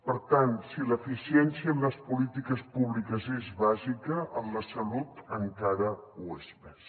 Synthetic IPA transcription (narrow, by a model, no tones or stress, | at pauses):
pəɾt̪ansiləfisiɛnsiəːmləspulit̪ikəspuβlikəzezβazikəʔəmləsəlut̪əŋkaɾəuezpɛs